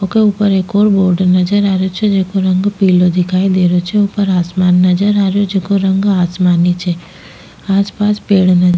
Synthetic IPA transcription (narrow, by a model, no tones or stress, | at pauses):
okeupəɾeːkɔːɾboːɾɖnəd͡ʒəɾaɾjot͡ʃʰed͡ʒekoɾə̃ŋɡpiːlod̪ɪkʰaid̪eɾot͡ʃʰeupəɾaːsmaːnːəd͡ʒəɾaɾjod͡ʒekoɾəŋɡaːsmanit͡ʃʰe | aːspaːspeːɽnəd͡ʒ